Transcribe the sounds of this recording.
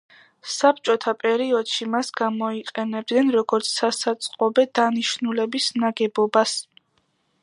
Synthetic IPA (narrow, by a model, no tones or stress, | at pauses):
sap̚ʰt͡ʃʼɔt̪ʰapʼɛɾiɔd̪̥ʃimasɡamɔiqʼɛnɛb̚d̪nɛnɾɔɡɔɾt̪sʰsasat̪sʼqʼɔbɛd̪aniʃnulɛbisnaɡɛbɔbas